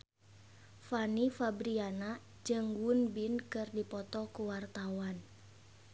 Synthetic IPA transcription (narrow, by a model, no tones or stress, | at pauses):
fanifabɾiana | d͡ʒɨŋwunbinkɨrdipɔt̪ɔkuwart̪awan